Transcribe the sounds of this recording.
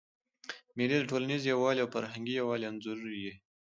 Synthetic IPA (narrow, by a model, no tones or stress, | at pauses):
meɾeləʈʰolanizjawɑleawfaɾɦaŋɡijawɑleanzuɾuje